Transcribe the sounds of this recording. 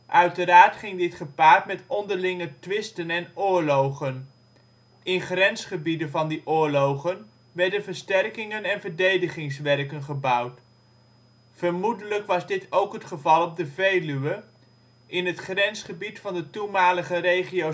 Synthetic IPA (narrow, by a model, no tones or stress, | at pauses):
ʔœɥtəɾaːɹtχɪŋdɪtχəpaːɹtmɛtɔndəɹlɪŋətʋɪstənɛnʊːɹlowχən | ɪnχrɛnsχəbidənvɑndiʔʊːɹlowχən | ʋɛɹdənvəɹstɛrkɪŋənɛnvəɹdejdəχɪŋsʋɛrkənχəbʌwt | fəɹmudələkʋɑzdɪtʰowkɦətχəvɑlˠɔb̚dəvejlyʋə | ʔɪnɦətχrɛnsχəbitfɑndətumaːləχəɾejχijo